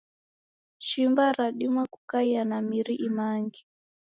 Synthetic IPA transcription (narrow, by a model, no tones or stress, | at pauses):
ʃimbaɾaɗimwaku̥kaianamiɾiʔimaŋɡi